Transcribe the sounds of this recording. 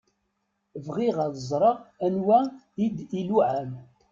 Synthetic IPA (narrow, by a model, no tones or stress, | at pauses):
vʁiʁaðəzˤɾˤɑænwæ | id̪iluʕæm